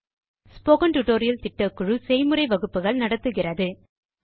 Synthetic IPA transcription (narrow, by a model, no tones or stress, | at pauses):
spoːɣɐnʈʊʈoːɾɪjɐlt̪ɪʈːɐkːɯɻɯsɛjmɯrɐɪʋɐɣɯpːɯɣɐɭnɐɽɐt̪ːɯɣɪrɐðɯ